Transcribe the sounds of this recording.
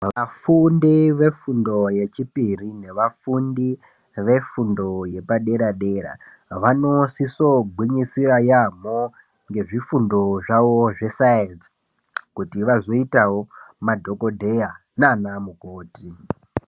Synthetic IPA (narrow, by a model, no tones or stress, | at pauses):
ʋafundiʋe̞fundo̞je̞t͡ʃipirine̞ʋafundi | ʋe̞fundo̞je̞paɗe̞ɾaɗe̞ɾa̰ | ʋano̞siso̞ɡʱwiɲisirajamo | ŋɡe̞ʐifundo̞ʐaʋoʐe̞saenz | kutiʋazo̞itawo̞madʱo̞ko̞dʱe̞ja | nanamukoːti